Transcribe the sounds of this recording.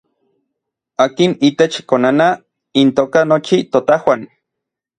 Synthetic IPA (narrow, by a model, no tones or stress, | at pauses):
aːkinit̪et͡ʃkonana | int̪oːkanot͡ʃit̪ot̪ahwan